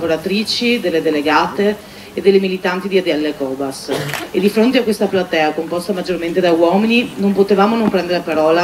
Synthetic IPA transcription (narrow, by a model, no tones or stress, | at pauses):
voɾat̪ɾiːt͡ʃid̪elːed̪eleɡaːt̪eː | d̪elːemilit̪ant̪id̪iad̪ɛlːekɔːbased̪ifɾont̪eakwest̪aplat̪ɛːakompɔst̪amad͡ʒːorment̪ed̪awɔːmininompot̪evaːmonompɾɛnd̪eɾepaɾɔːla